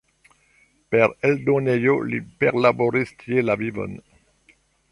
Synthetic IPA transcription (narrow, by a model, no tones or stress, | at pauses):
pɛʁɛld̪ɔ̃nejolipɛʁlabɔʁist̪jelavivɔ̰n